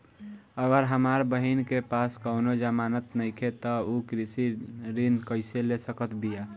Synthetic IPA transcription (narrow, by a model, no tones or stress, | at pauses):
əɡəɾɦəmaɾbəɦinkepaskəʊnod͡ʒəmanət̪nəɪkʰet̪ɔukɾisiɾinkəɪselesəkət̪bija